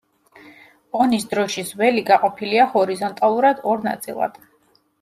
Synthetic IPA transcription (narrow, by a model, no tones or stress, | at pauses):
ɔnisd̪ɾɔʃizwɛliɡaqʼɔpʰiliahɔɾizɔnt̪ʼalˠuɾad̪ɔɾna̰t̪sʼḭlˠa̰d̪̥